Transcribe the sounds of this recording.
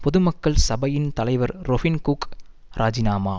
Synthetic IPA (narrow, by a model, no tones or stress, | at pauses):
pɔðɯmɐkːɐɭsɐbɐjɪnt̪ɐlɐɪʋɐɾɾɔfɪnkuk | ɾʔaːd͡ʒɪnaːmaː